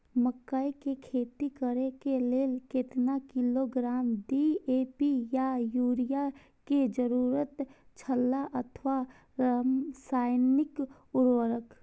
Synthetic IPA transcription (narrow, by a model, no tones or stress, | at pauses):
məkːaikekʰeːt̪ikəɾekeleːlket̪nakɪloɡɾaːmdieːpijajuːɾija | ked͡ʒəɾuːɾət̪t͡ʃʰəlːaʔət̪ʰʋa | saːɪnɪk | ʊɾwəɾək